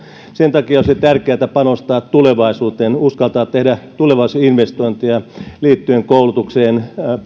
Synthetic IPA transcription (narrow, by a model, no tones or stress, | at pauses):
sent̪ɑkiɑolʲsit̪ærkeæt̪æpɑnost̪ɑːt̪tuleʋɑisuːt̪eːnuskɑlt̪ɑːt̪t̪ːehdæt̪uleʋɑisuinʋest̪oint̪iɑliːt̪ːyeŋkoulut̪ukseːn